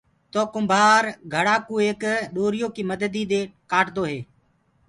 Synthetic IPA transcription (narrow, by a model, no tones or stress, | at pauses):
t̪oːkʊmbʱaːɾɡʱəɽaːkuːeːkɗoːɾɪjoːkiːməd̪əd̪iːd̪eːkaːʈd̪oːɦeː